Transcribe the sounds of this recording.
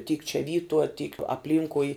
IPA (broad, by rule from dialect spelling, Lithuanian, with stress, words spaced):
tʲiːk t͡ʃʲɛ ˈʋʲiːtuɔ tʲiːk ɐpʲˈlʲiːŋkʊɪ